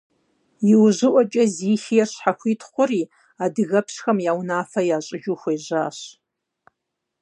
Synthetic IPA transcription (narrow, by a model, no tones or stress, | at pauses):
jiwʒʷɪʔʷat͡ʃʼɐziːxijɛrʃħaxʷitʰχʷʊriː | adɨɣɐpʰʂxɐmjawnaːfɐjaːɕʼɪʒʊxʷejʒʷaːɕ